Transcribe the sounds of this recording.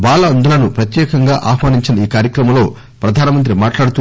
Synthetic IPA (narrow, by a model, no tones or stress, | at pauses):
baːlɐɐnd̪ɐlɐnupɾɐt̪jɛːkɐŋɡaːʔaːɦmaːniɲt͡ʃinɐiːkaːɾjɐkɾɐmɐmlo̞ː | pɾɐd̪ʱaːnɐmɐnt̪̬ɾimaːʈlaːɽut̪u